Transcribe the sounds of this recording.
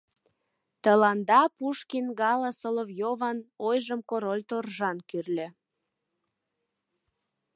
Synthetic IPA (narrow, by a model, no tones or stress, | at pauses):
t̪əlɑnd̪ɑpuʃkinɡɑlɑsolovjovɑnojʒəmkoɾolʲt̪orʒɑnkyrlʲø̆